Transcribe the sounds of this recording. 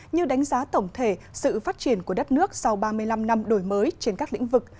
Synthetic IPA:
ɲɨ˧ɗa˨˦ŋ̟zaː˨˦t̪ə˧˩wŋ͡mt̪ʰe˧˩sɨ̰˧˨faː˦˥t̚t͡ɕi˧˩ənku˧˩əə˦˥t̚nɨ˦˥ək̚sa˧wɓaː˧mɨ˧əjla˧mna˧mɗo˧˩jməː˨˦jt͡ɕe˧nkaː˦˥k̚lḭ˧˥ŋ̟vɨ˨˩k̚

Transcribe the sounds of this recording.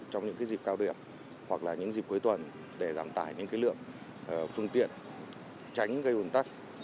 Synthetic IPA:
t͡ɕɔ˧wŋ͡mɲɨ̰˧˥ŋkaː˨˦zi˨˩p̚kaː˧wɗi˧˩əm | hwa˨˩k̚laː˨˩ɲɨ̰˧˥ŋzi˨˩p̚ku˨˦jt̪ʰwə˨˩n | ɗe˧˩zaː˧˩mt̪aː˧˩jɲɨ̰˧˥ŋkaː˨˦jlɨ̰˧˨əŋ˨˩ | fɨ˧əŋt̪ḭ˧˨ən | t͡ɕa˨˦jŋ̟ɣə˧jʔu˨˩nt̪a˦˥t̚

